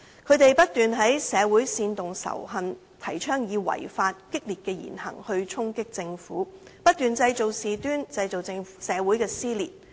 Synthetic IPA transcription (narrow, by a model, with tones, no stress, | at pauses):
kʰɵ˨˧ɥt̪e˨jpɐ˥t̚t̪yː˨nɦɐ˨˥jsɛː˨˧wuː˨˥jsiː˧nt̪ʊ˨ŋsɐ̰˨˩wɦɐ˧n | t̪ʰɐ˨˩jt͡ʃʰœː˥ŋjiː˨˧wɐ̰˨˩jfaː˧t̚kɪ˥k̚liː˨t̚kɛː˧jḭː˨˩nhɐ̰˨˩ŋhɵ˧ɥt͡ʃʰʊ˥ŋkɪ˥k̚t͡sɪ˧ŋfuː˨˥pɐ˥t̚t̪yː˨nt͡sɐ˧jt͡so˨wsiː˨t̪yː˥nt͡sɐ˧jt͡so˨wt͡sɪ˧ŋsɛː˨˧wu˨˥jkɛː˧siː˥lḭː˨˩t̚